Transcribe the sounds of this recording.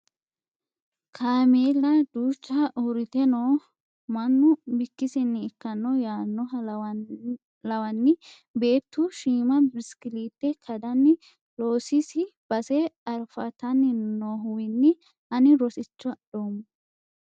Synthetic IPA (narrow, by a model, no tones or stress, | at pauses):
kʰaːmeːlɐd̪uːt͡ʃːɐʔʊɾɪt̪ɛnoː | mɐnːʊbɪkːɪsɪnːɪːkːɐnːɔjaːnːɔɐ | lɐwɐnːɪ | be̞ːt̪ːʊʃiːmɐbɪskɪliːt̪ːɛkʰɐd̪ɐnːɪ | lo̞ːsɪsɪb̥ɐsɛɐɾfɐt̪ɐnːɪnoːɦʊwɪnːɪ | ɐnɪɾɔsɪt͡ʃːɔdoːm